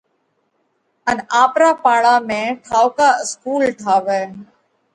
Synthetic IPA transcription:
ənaːpɾaːpaːɭaːmẽːʈʰaːʊkaːɪskuːlʈʰaːʋɛː

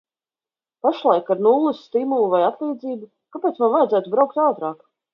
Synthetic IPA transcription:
paʃlˠajkaɾnulˠːusːt̪imulˠuvajat̪lˠiːd̪ziːbu | kapeːt̪smanvajdzæːt̪ubɾawk̚t̪awt̪ɾɑːk

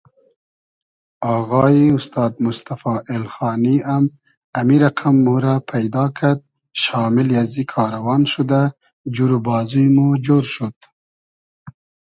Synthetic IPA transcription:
ɑɣɑiʊst̪ɑːd̪̚mʊst̪afɑʔelxɑːniam | amiɾaqʰamːuɾapʰajd̪ɑːkʰaɾd̪̚ | ʃɑːmɪljazikʰɑːɾawɑːnʃud̪a | d͡ʒuɾubɑːzujmud͡ʒoɾʃud̪̥

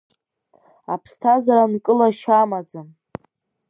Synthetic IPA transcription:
apʰstʰazaɾankʼɨlaʃamad͡zan

